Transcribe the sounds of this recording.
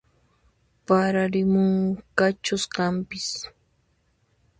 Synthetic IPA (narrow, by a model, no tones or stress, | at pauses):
paɾaɾɪmʊŋkat͡ʃʊskampɪs